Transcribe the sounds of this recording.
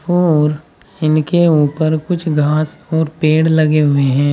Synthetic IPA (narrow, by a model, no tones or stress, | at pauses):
ɔɔːɾ | ɪnkeuːpəɾkʊt͡ʃʰɡʱaːsɔːɾpeːɽlɐɡeɦʊeɦɛ̃ː